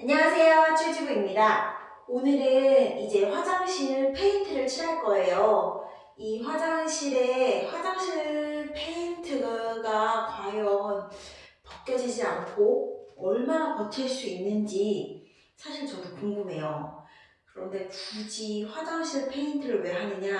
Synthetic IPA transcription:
aɲʌŋasʰe̞jot͡ɕʰwed͡ʑibuimɲida | onɯɾɯnid͡ʑe̞ɸwad͡ʑaŋɕʰiɭpʰe̞intʰɯɾɯɭt͡ɕʰiɾaɭk͈ʌe̞jo | iɸwad͡ʑaŋɕʰiɾe̞ɸwad͡ʑaŋɕʰiɭpʰe̞intʰɯɡakwajʌnpʌk͈̚jʌd͡ʑid͡ʑiankʰoʌɭmanakʌtʰeɭs͈uinːɯnd͡ʑi | sʰaɕʰiɭt͡ɕʌdukuŋɡɯmɦe̞jo | kɯɾʌnde̞pud͡ʑiɸwad͡ʑaŋɕʰiɭpʰe̞intʰɯɾɯɭmjeɭɦanɯɲa

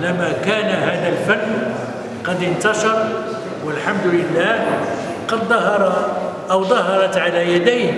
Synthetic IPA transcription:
læmakæːnaɦaːd̪ælfænː | qɑd̪ənt̪ɑʃɑɾˤ | wəlħamd̪ʊlɪlːaːh | qɑd̪ːˤɑɦɑɾˤɑʔəwd̪ˤɑhɑɾˤɑt̪ʕalæjæd̪əjh

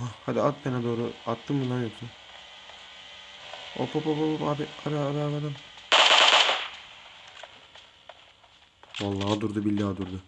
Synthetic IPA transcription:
ɦahad̪iat̪̚menɛd̪o̞ːɾuat̪ʰːɯmbunˠanjok̚t̪ʰu | o̰pʰopʰopopopaːbiaɾaaɾalˠad̪ɯm | valˠːaːd̪uɾd̪ubilʲːad̪uɾd̪ʊ

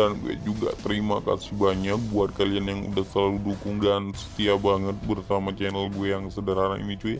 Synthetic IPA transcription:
ankṵɛ̰d͡ʒuɡa̰t̪əɾimaka̰sihbaɲak̚buat̪̚kalianjaŋṵdahsəlaludukʊŋdansə̥t̪iabaŋət̪̚bərsamat͡ʃɛnəlbujaŋsədəɾanaḭnit͡ʃu

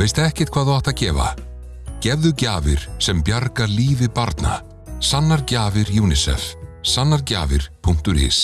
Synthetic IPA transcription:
veːjst̪aɛhcɪ̥t̪kʰvaːðθawaht̪acɛːva̰ | cɛvðʏcaːvɪ̰ɾ̥sɛmpjaɾkaliːvɪpaɾt̪na̰ | sanːaɾcaːvɪɾjuːnɪsɛ̰fsanːaɾca̰ːvɪ̰ɾ̥pʰuŋ̥t̪ʏɾɪ̰ːs

